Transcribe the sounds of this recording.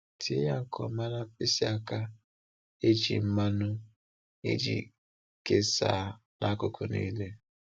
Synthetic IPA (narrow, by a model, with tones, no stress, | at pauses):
tʰɪ˦ja˦ŋ̩˨kʰɔ˨ma˦na˦pɪ˦si˦a˦ka˦ | e˦d͡ʒḭ˨m̩˦ma˦nʊ˦ | ḛ˦d͡ʒḭ˨ | ke˦sa̰ː˨ | nʔa˦kʊ˦kʰʊ˨nḭː˦le˦